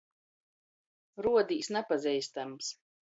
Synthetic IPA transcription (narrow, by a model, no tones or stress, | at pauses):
ɾuɔd̪iːsnɛpazɛjst̪ams